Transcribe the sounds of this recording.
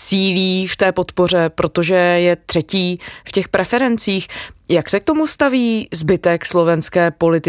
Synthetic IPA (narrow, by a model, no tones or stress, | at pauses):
siːliːft̪ɛːpo̞t̪po̞r̝ɛpɾʔo̞t̪oʒɛjɛt̪r̝̥ɛciːfcɛxpɾʔɛfɛɾɛnt͡siːxjaksɛk̚t̪omust̪aviːzbɪt̪ɛkslo̞vɛnskɛːpo̞lɪt̪ɪ